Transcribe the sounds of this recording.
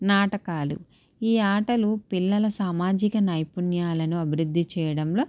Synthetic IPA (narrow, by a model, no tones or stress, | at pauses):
naːʈɐkaːlṵ | iːaːʈɐlupilːɐlɐsaːmaːd͡ʒikɐnɐjpunjaːlɐnuɐbʱiɾud̪ːit͡ʃɛːjɐɽɐmlo̞ː